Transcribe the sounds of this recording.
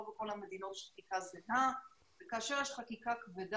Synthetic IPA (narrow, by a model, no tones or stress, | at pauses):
oveko̞lhame̞d̪inot̪ʃlχakikazena | v̥ekaːʃe̞ʁjeʃχakikakved̪